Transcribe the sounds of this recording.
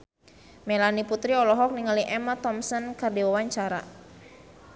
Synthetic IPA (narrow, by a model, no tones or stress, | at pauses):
mɛlaniput̪ɾiɔlɔɦɔk̚niŋaliʔɛmat̪ɔmsɔnkərdiwawaɲt͡ʃaɾa̰